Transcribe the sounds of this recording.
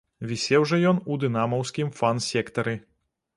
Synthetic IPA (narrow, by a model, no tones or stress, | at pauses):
vʲisʲɛwʐɔjɔnud̪ɨnamɐwsʲkʲimfansʲɛkt̪ɐɾɨ